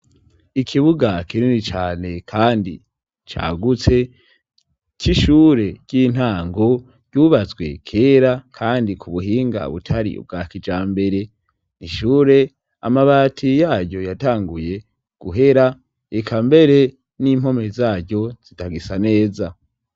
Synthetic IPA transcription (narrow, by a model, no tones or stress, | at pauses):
ikʰiβuɡakʰiɾinit͡ʃaːne̞kʰaːndḭ | t͡ʃa̰ːɡut͡se̞ | t͡ʃiʃuɾe̞ɟ̥iːn̥haːŋɡo̞ | ɟ̥uːβazɡwe̞̰kʰe̞ːɾakʰaːndikʰuβuɦiːŋɡa̰βṵtʰaɾḭṵb̚ɡaːkid͡ʒaːmbe̞ɾe̞ | iʃuːɾe̞ | amaβaːtʰijaːɟo̞jataːŋɡuje̞ | ɡ̥uɦe̞ɾa | ekʰambe̞ɾe̞ | nim̥ho̞mezaːɟɟo̞z̥itaɡisane̞ːza